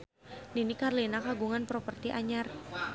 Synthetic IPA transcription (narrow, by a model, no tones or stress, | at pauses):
dinikarlinakaɡuŋanpɾopərt̪iʔaɲar